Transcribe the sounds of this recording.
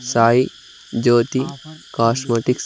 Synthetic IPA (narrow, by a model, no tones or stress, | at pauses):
saːi | d͡ʒoːt̪ikaːsmeʈiks